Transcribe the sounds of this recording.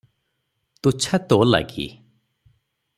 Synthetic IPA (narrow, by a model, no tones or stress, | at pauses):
t̪ut͡ɕʰat̪ola̰ɡḭ